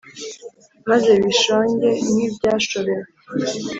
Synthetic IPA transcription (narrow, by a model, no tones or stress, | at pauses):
maze̞βiʃoːɲɟe̞niːbɟaːʃoɾe̞ɾa